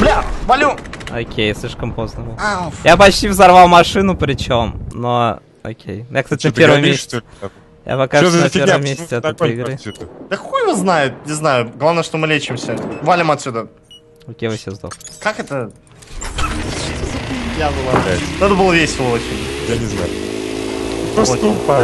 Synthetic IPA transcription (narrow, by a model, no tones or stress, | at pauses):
blʲavɐlʲuo̰kʲʰejsʲlʲiʂkəmpo̞znəbɨlˠjapɐt͡ɕtʲivzɐrvɑlˠmɐʂɨnʊpɾʲɪt͡ɕo̞mno | o̰kʲʰḛjnʊjaksatʲɪnpʲɾvəmmes | ja̰pɐkaʒnpɾʲəmʲːesʲtʲɪɛt̪ɛt̪əɪɡɾɨt̪d̪əkkojvɨznajʊt̪̚nʲɪznajʊɡlˠavnəjəʂt̪omɨlʲet͡ɕɪmsʲəvalʲɪmɐt̪ʲsʲud̪ə | okʲejvɐfsʲezd̪okakɛt̪ə | t̪ɨzɐpʲijabɨlˠanɛt̪əbɨlˠəvʲesʲɪlˠəot͡ɕɪnʲjanʲɪzna̰jʊ | pɾo